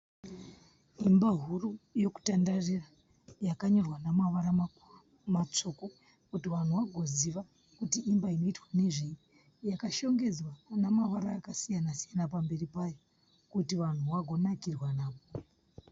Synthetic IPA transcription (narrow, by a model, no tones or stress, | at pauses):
imbaɦurujo̞ku̥tandarira | jakaɲo̞rwanamaʋaɾa | mat͡ʂo̞ko̞ | kutiʋan̤uʋaɡʱo̞ziʋa | kutiːmbaino̞itwane̞ʐii | jakaʃo̞ŋɡe̞d͡zwanamaʋaɾaːkasijanasijanapambe̞ripajo | kutiʋan̤uʋaɡʱo̞nakirwanaːʋo